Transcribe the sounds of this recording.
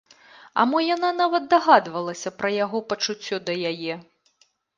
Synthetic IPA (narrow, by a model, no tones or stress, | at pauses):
ɐ̰mɔjananavɐt̪̚ːaɣad̪vɐlˠɐsʲɐpɾɐjaɣɔpɐt͡ʂut͡sʲːɔd̪ɐjajɛ